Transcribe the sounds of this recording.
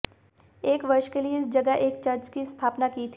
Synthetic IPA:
eːkʋɐɾʃkelieɪsd͡ʒɐɡəʔeːk̚t͡ʃɐɾd͡ʒkist̪ʰaːpnakit̪ʰ

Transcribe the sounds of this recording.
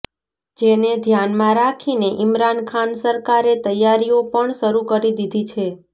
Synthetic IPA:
d͡ʒened̪ʱjanmãɾakʰineʔɪmɾankʰansəɾkaɾet̪əjːaɾiopəɳʃəɾukəɾid̪id̪ʱit͡ʃʰe

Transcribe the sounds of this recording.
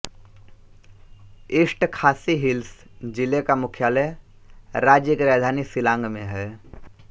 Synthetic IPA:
ɪsʈkʰaːsiɦɪlsd͡ʒɪlekamʊkʰjaːlɛ | ɾaːd͡ʒjəkɾaːd̪ʱaːnisɪlãːŋɡmḛ̃ɦɛː

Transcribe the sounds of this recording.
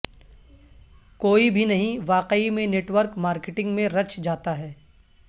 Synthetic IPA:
koːibʱinɐɦĩʋaːqeimẽneːʈʋəɾkmaːɾkɪʈɪ̃ŋɡmẽɾɐt͡ʃd͡ʒaːt̪aɦɛː

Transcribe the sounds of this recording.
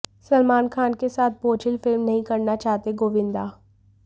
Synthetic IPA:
səlmaːnkʰaːnkesaːt̪̚ʰboːt͡ʃʰɪlfʰɪlmnəɦĩːkəɾnat͡ʃaːt̪eɡoːʋɪ̃nd̪aː

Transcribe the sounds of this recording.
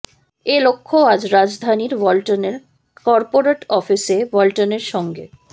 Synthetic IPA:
elokʰːoad͡ʑɾad͡ʑd̪ʱaniɾbɔlʈoneɾ | kɔɾpoɾeʈɔfisebɔlʈoneɾʃɔŋɡe

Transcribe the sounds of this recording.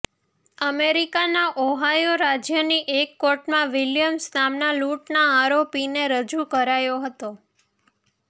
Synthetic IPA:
əmeɾikanaʔɔɦajoɾad͡ʒjəniʔekːoʈmãʋiljəmsnamnaluʈnaaɾopineɾəd͡ʒukəɾajoɦət̪o

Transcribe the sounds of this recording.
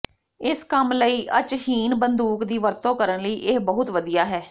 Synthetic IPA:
ɪskəmləiːʔət͡ʃhiːnbənd̪uːkd̪iːʋəɾt̪õːkəɾənləiːʔɪhbəɦʊt̪ʋəd̪ijaːɦɛː

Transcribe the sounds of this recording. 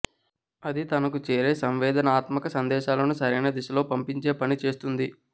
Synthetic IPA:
ɐd̪it̪ɐnɐkut͡ʃeːɾe̞ːsɐmʋɛːd̪ɐnɐaːt̪mɐkɐsɐnd̪ɛːʃaːlɐnusɐɾɐnɐd̪iʃɐlo̞ːpɐmpiɲt͡ʃe̞ːpɐnit͡ʃe̞ːst̪und̪i

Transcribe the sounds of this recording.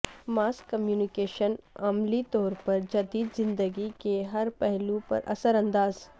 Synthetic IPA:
maːskːɐmjuːnɪkeːʃənɐmlit̪ɔːɾpɐɾd͡ʒɐd̪iːd̪zɪ̃nd̪əɡikeɦɐɾpɛɦlũpɐ̰ɾʔɐ̰səɾɐ̃nd̪aːz

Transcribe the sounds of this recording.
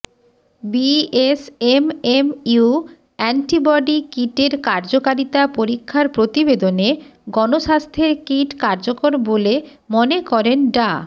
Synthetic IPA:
biesememu | ɛɳʈibɔɖikiʈeɾkaɾd͡ʑokaɾit̪apoɾikʰːaɾpɾot̪ibed̪oneɡɔnoʃast̪ʰeɾkiʈkaɾd͡ʑokoɾbole | monekɔɾenɖa

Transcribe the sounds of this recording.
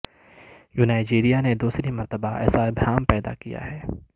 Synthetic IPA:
juːnaːɪd͡ʒeːɾijaned̪uːsɾimɐɾt̪əbaʔɛ̰ːsaɪbɦaːmpɛːd̪a̰kija̰ɦɛː

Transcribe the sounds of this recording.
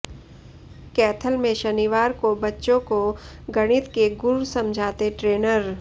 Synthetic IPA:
kɛːt̪ʰəlmẽʃɐniʋaːɾkobɐtːʃõkoɡɐɽ̃ɪt̪keɡʊɾsɐ̃md͡ʒʱaːt̪eʈɾeːnəɾ

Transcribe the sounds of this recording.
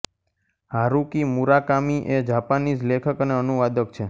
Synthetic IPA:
ɦaɾukimuɾakamiʔed͡ʒapanid͡ʒlekʰəkəneənuʋad̪əkt͡ʃʰe

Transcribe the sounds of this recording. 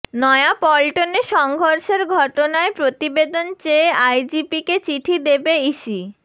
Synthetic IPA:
nɔeapɔlʈoneʃɔŋɡʱoɾʃeɾɡʱɔʈonaepɾot̪ibed̪ont͡ɕeːajd͡ʑipiket͡ɕiʈʰid̪ebeiʃi

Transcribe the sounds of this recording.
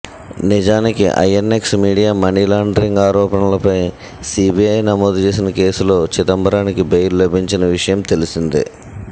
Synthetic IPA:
nid͡ʒaːnikḭʔɐ̰jenːeksmiːɽijaːmɐɳilaːɳɖɐɾiŋɡaːɾɔːpɐɳɐlɐpɐj | siːbiɐjnɐmoːd̪ut͡ʃe̞ːs̬inɐke̞ːsulo̞ːt͡ʃit̪ɐmbɐɾaːnikibejllɐbʱiɲt͡ʃinɐʋiʂɐjɐmt̪e̞lisind̪ḭ

